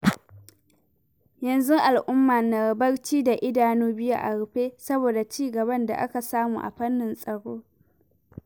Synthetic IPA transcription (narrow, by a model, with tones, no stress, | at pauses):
jɐ˨nzʊ˦ʔa˨lʔʊ˦mːaː˨nɐ˨bɐ˦ɽt͡ʃiː˦da˨ʔɪ˦daː˨nuː˦bɪ˦ja̰˦ʔa˨ɽʊ˨ɸeː˦sɐ˦boː˨da˨t͡ʃiː˦ɡɐ˨bɐ˦nda̰˨ʔa̰˦ka˨saː˦mṵ˨ʔa̰˨ɸɐ˦nːɪ˨nsʼɐ˨ɽoː˦